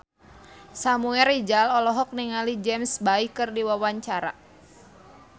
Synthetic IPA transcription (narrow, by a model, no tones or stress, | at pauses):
samuɛɾid͡ʒalɔlɔɦɔk̚niŋalid͡ʒɛmsbaikɨrdiwawaɲt͡ʃaɾa̰